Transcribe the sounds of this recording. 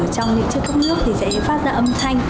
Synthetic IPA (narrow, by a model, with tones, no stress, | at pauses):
t͡ɕɔ˧wŋ͡mɲḭ˧əŋt͡ɕɨ˦əkːə˦˥w̚n̚nɨ˦˥ək̚t̪ʰi˨˩zɛ̰˧˥ḭ˧˥faː˦˥t̚zaː˧ʔə˧mt̪ʰa˧jŋ̟